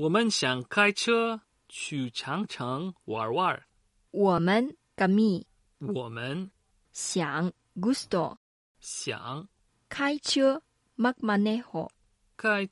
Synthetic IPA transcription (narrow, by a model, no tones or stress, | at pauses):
wɔmənɕjaŋkʰajt͡ʃʰə | t͡ʃʰyt͡ʃʰaŋt͡ʃʰəŋwa̰ɹwaɹ | wɔmən | kami | wɔmən | sjaŋ | ɡustɔ̰ | ɕja̰ŋ | kʰajt͡ʃʰə | mak̚manehɔ̰ | kʰaj